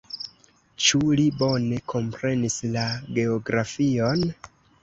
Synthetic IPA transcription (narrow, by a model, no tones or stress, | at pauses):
t͡ʃulibo̞ne̞kʰo̞mpɾe̞nislaɡe̞oɡɾafio̞n